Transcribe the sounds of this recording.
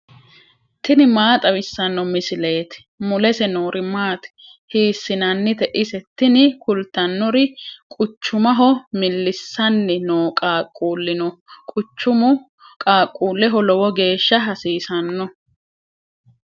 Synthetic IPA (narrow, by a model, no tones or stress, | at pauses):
t̪ɪnɪmaːt̪ʼɐwɪsːɐnːɔmɪsɪle̞ːt̪ɪ̥ | mʊlɛsɛnoːɾʔɪmaːt̪ɪ̥ | hiːsːɪnɐnːɪt̪ɛʔɪsɛt̪ːɪnɪkʊlt̪ːɐnːɔɾɪkʼʊt͡ʃːʊmɐɦɔmɪlːɪsːɐnːɪnoːkʼaːkʼːuːlːɪnɔkʼʊt͡ʃːʊmʊ | kʼaːkʼːuːlːɛɦɔlɔwɔɡe̞ːʃːɐɦɐsiːsɐnːɔ